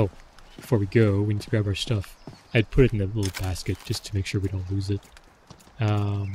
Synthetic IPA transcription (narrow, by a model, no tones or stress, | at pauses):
oʊb̥ɨfɔɹwiɡoʊwinsɡɹaɪbʊə˞stʌfaɪd̚pʰʊɾɨɾn̩ðɨlɪɾl̩ˠbæskɨt̚d̥ʒ̥ʌstʰəmeɪkʃʊɹwiɾõʊ̃ntˡlʉzɪt̚ | ʌ̃m